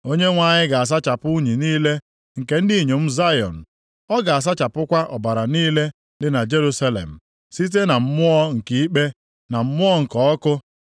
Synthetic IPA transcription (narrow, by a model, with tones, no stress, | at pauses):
o˦ɲe˦ŋʷa˨ɲɪ˦ɡa˨a˨s̬a˦t͡ʃa˨pʊ˦u˦ɲi˨niː˦le˦ | ŋ̩˨ke˨n̩˦di˦˨ɲo˨m̩˦za˦jɔ̰˨n̩˨ | ɔ˦ɡa˨a˨s̬a˦t͡ʃa˨pʊ˦kʷa˦ʔɔ˨ba˨ɾa˨niː˦le˦ | dɪ˨˦na˨d͡ʒe˦ɾu˦sa˦lḛ˨m̩˨ | si˦t̬e˦na˨m̩˦mʊ˦ɔ˦ŋ̩˨ki˨˦i˦k͡pe˦ | na˨m̩˦mʊ˦ɔ˦ŋ̩˨kɔ˨ɔ˦kʊ˦